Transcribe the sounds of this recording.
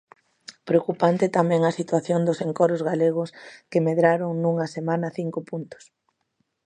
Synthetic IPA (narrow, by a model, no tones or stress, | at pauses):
pɾeokupant̪et̪amɛ̃ŋɐsit̪waθjond̪ʊseŋkɔɾʊzɣaleɣ̞ʊskɪmeðɾaɾoŋnuŋɐsemãnɐθiŋkʊpunt̪ʊ̥s